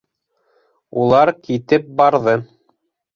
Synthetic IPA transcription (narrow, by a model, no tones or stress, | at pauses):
ulˠɑɾkit̪ɘp̚bɑɾðɤ